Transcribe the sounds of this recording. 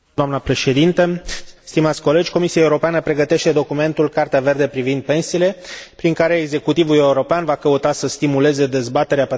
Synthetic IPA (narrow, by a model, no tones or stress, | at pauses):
oamnəpɾe̞ʃe̞d̪int̪əst̪imat̪sʲko̞le̞d͡ʒʲko̞misiaeuɾo̞peanəpɾeɡət̪e̞ʃt̪e̞d̪o̞kume̞nt̪ulkart̪eave̞rd̪e̞pɾivind̪̚pe̞nsiːle̞pɾiŋkaɾe̞ːɡze̞kut̪ivule̞uɾo̞peanvakəut̪asəst̪imule̞ze̞d̪e̞zbat̪e̞ɾeape